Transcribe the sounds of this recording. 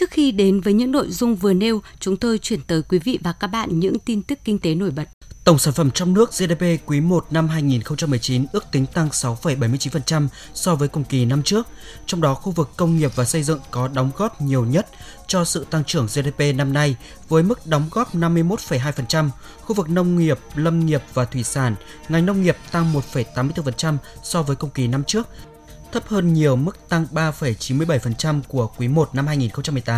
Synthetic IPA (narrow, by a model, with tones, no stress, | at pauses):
t͡ɕɨ˦˥ək̚xi˧ɗe˨˦nvəː˨˦jɲɨ̰˧˥ŋno̰˧˨jzʊ˧ŋ͡mvɨ˨˩əne˧w | t͡ɕʊ˨˦ŋ͡mt̪o˧jt͡ɕwi˧˩ənt̪əː˨˦jkwi˨˦vḭ˧˨vaː˨˩kaː˦˥k̚ɓa̰ː˧˨nɲɨ̰˧˥ŋt̪i˧nt̪ɨ˦˥kːï˧ŋ̟t̪e˨˦no˧˩jɓə˨˩t̚t̪ə˧˩ŋ͡msaː˧˩nfə˧˩mt͡ɕɔ˧wŋ͡mnɨ˦˥ək̚ze˧ɗe˧pe˧kwi˨˦mo˨˩t̚na˧mɦaː˧jŋi˨˩nxə˧wŋ͡mt͡ɕa˧mːɨ˨˩əjt͡ɕi˨˦nʔɨ˦˥ək̚t̪ï˨˦ŋ̟t̪a˧ŋsa˨˦wfə˧˩jɓa˧˩jmɨ˧ət͡ɕi˨˦fə˨˩nt͡ɕa˧m | sɔ˧vəː˨˦jkʊ˨˩ŋ͡mki˨˩na˧mt͡ɕɨ˦˥ək̚ | t͡ɕɔ˧wŋ͡mɗɔ˨˦xu˧vɨ˨˩kːə˧wŋ͡mŋi˨˩əp̚vaː˨˩sə˧jzɨ̰˧˨ŋkɔ˨˦ɗɔ˨˦wŋ͡mɣɔ˦˥p̚ɲi˨˩əwɲə˦˥t̚ | t͡ɕɔ˧sɨ̰˧˨t̪a˧ŋt͡ɕɨ˧˩əŋze˧t̪e˧pe˧na˧mna˧j | vəː˨˦jmɨ˦˥k̚ɗɔ˨˦wŋ͡mɣɔ˦˥p̚na˧mːɨ˧əjmo˦˥t̚fə˨˧˩jɦaː˧jfə˨˩nt͡ɕa˧m | xu˧vɨ˨˩k̚nə˧wŋ͡mŋi˨˩əp̚lə˧wŋ͡mŋi˨˩əp̚vaː˨˩t̪ʰwi˧˩saː˧˩n | ŋa˨˩jŋ̟nə˧wŋ͡mŋi˨˩əp̚t̪a˧ŋmo˨˩t̚fə˧˩jt̪aː˨˦mɨ˧ət̪ɨ˧fə˨˩nt͡ɕa˧msɔ˧vəː˨˦jkə˧wŋ͡mki˨˩na˧mt͡ɕɨ˦˥ək̚ | t̪ʰə˦˥p̚həː˧nɲi˨˩əwmɨ˦˥k̚t̪a˧ŋɓaː˧fə˧˩jt͡ɕi˨˦nmɨ˧əjɓə˧˩jfə˨˩nt͡ɕa˧mku˧˩əkwi˨˦mo˨˩t̚na˧mhaː˧jŋi˨˩nxə˧ŋ͡mt͡ɕa˧mːɨ˨˩t̪aː˨˦m